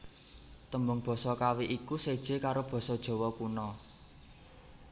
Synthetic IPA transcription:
t̪əmbʊŋb̥ɔ̤sɔkawiʔikused̥ʒ̥e̤kaɾob̥ɔ̤sɔd̥ʒ̥ɔ̤wɔkunɔ

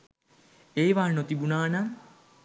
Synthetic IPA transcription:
eːʋaːnot̪ibunaːna

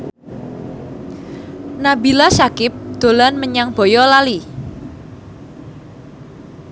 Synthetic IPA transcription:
nabilasakɪp̚d̪̥o̤lanməɲaŋb̥ɔjɔlali

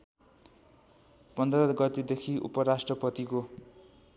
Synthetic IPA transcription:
pʌnd̪ʌɾʌɡʌt̪ed̪ekʰiʔṵpʌɾasʈrʌpʌt̪iko

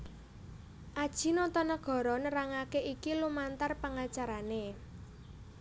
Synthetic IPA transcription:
ʔad̥ʒ̥i̤nɔt̪ɔnəɡ̥ɔ̤ɾɔnəɾaŋakeikilumant̪arpaŋat͡ʃaɾane

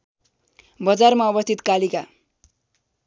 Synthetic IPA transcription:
bʌd͡zarmaʌbʌst̪ʰit̪kalika

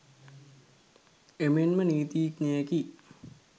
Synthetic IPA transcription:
emenməniːt̪iːknejaki

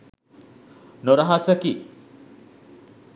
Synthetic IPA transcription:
noɾɐɦasəki

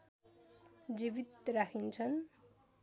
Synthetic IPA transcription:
d͡zibit̪rakʰint͡sʰʌn

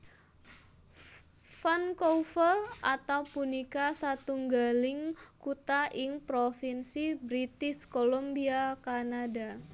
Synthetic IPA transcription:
fankɔfəlʔat̪awpunikasat̪uŋɡalɪŋkut̪aʔɪŋpɾofinsibɾit̪ɪskolombiakanada

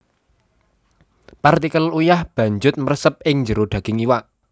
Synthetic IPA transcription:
part̪ikəlujahb̥ä̤ɲd͡ʒʊt̪̚mərsəp̚ɪŋɲd͡ʒəɾoɖ̪̥ä̤ɡ̥ɪŋiwaʔ

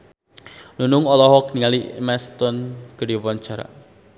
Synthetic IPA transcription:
nunʊŋɔlɔɦɔkniŋalimɛst̪ɔnɡ̥ədipɔnt͡ʃaɾa̰

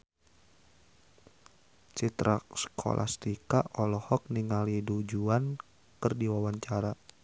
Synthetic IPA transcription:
t͡ʃit̪ɾʔa̰sə̥kʰo̰lʔa̰st̪ikaʔɔlɔhɔk̚niŋalidud͡ʒuan | kərdiwawaɲt͡ʃaɾa

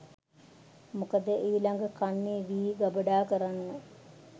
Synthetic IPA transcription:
mukəd̪əeʋilaŋɡəkanːeːʋiːɡabəɖaːkəɾanːnə

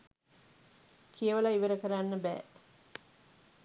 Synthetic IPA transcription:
kʰijəʋəlaiʋəɾəkəɾanːəbɛ̰ː

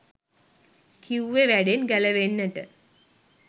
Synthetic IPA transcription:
kʰiwʋeʋæɖenɡæləʋenːəʈə

